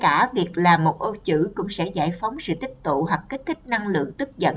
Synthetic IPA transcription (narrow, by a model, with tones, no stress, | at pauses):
kaː˧˩vi˨˩ək̚laː˨˩mo˨˩t̚ʔo˧t͡ɕɨ̰˧˥˩kʊ̰˧˥ŋ͡msɛ̰˧˥zaː˧˩jfɔ˨˦wŋ͡msɨ̰˧˨t̪ï˦˥k̚t̪ṵ˧˨ɦwa˨˩k̚ːk̟̚t̪ʰi˦˥k̟̚na˧ŋlɨ̰˧˨əŋt̪ɨ˦˥k̚zə̰˧˨n